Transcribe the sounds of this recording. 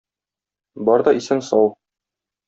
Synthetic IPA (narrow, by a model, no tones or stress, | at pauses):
bɒɾd̪ɒisɘnsɒw